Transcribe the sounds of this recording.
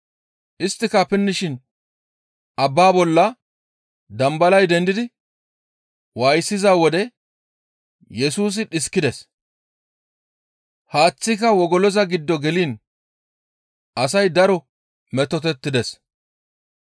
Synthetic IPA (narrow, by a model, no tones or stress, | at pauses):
ʔɪst̪ːɪkɐpɪnːɪʃɪn | ʔɐbːaːbɔlːɐ | d̪ɐmbɐlɐjd̪ɛnd̪ɪd̪ɪ | waːjsːɪzaːwɔd̪ɛ | jɛsuːs̬ɪᶑɪskːɪd̪ɛs | haːt͡sːɪkɐwɔɡɔlɔzɐɡɪd̪ːɔɡɛliːn | ʔɐsɐjd̪ɐɾɔ | mɛt̪ːɔt̪̬ɛt̪ːɪd̪ɛs